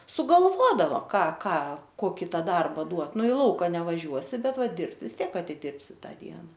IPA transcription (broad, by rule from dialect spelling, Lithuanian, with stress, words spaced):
sʊɡɐlˠˈʋoːdɐʋoː ˈkɑː ˈkɑː ˈkoːkʲɪ ˈtɑː ˈdɐrbɐ ˈduɔt ˈnʊ ɪ ˈlˠɐʊkɐ nʲɛʋɐˈʒʲuɔsʲɪ ˈbʲɛt ˈʋɐ ˈdʲɪrpt ʋʲɪs ˈtʲiɛk ɐtʲɪˈdʲɪrʲpʲsʲɪ ˈtɑː ˈdʲiɛnɐ